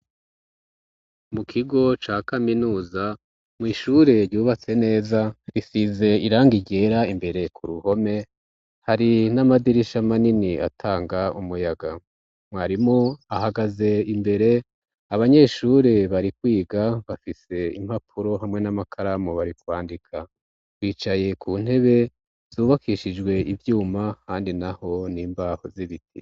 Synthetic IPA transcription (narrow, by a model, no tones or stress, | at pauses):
mukʰiɡo̞t͡ʃaːkaminuːza | mŋiːʃuɾe̞ɾɟuːβat͡se̞ne̞ːzaɾisize̞iɾaːŋɡiɟe̞ːɾaimbe̞ɾe̞kʰuɾuho̞me̞ | haɾinamadiɾiʃamaninia̰tʰaːŋɡaumujaɡa | mwaːɾimoahaɡaze̞imbe̞ɾe̞ | aβaɲe̞ːʃuɾeβaɾikwiːɡaβafise̞ḭm̥hapʰuɾo̞ɦamŋe̞namakʰaɾamoβaɾikwaːndikʰa | wiːt͡ʃaje̞kʰuːn̥he̞βe̞ | z̥uːβakʰiʃid͡ʒɡwe̞ʔivjuːmakaːndinaho̞niːmbaːhoziβitʰḭ